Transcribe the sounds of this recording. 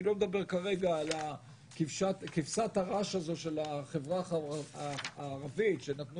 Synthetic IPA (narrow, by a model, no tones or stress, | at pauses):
lo̞med̪abe̞ʁkaʁe̞ɡaːla | kifʃatkifsat̪haʁaʃazo̞ʃe̞laχevʁa | ʁavitʃenat̪nu